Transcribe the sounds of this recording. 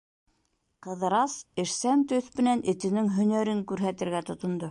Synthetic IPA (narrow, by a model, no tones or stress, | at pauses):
qɤ̆ðɤɾɑsɘ̆ʃsænt̪ɵθmɘ̆nænʔɘ̆t̪ɘ̆nɘŋɦɵ̆næɾɘŋkʉɾɦæt̪ɘ̆ɾɡæt̪ŏt̪ŏnd̪o